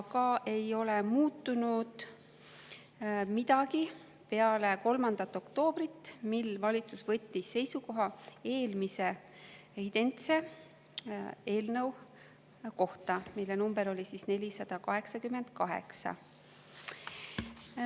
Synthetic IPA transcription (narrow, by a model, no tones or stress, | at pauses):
kɑʔe̞jo̞lemuːt̪ːunud̪̥ | mid̪̥ɑɡi | pe̞ɑle̞ko̞lmɑnd̪̥ɑt̪ːˑo̞kt̪o̞ːb̥rit̪ːˑmilːvɑlʲit̪susvɤ̞t̪ʲːisːe̞jsuko̞ɦɑe̞ːlmise̞ | id̪̥e̞nt̪se̞ | e̞ːlnɤw | ko̞ht̪ɑmilːe̞numb̥e̞ɾo̞lʲisisne̞lʲisɑd̪̥ɑkɑɦe̞ksɑkyme̞nd̪̥̚kɑɦḛksɑ̰